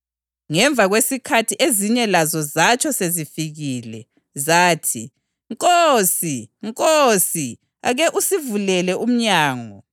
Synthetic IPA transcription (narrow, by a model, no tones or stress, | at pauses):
ŋɛɱbvʱaɣwesikʰatʰiʔeziɲɛlazɔzat͡ʃʰɔsezifiɣilɛ | zaːtʰi | ŋkʼosiŋkʼosi | a̰ɣɛʔusivulɛlɛʔum̩ɲaːŋɔ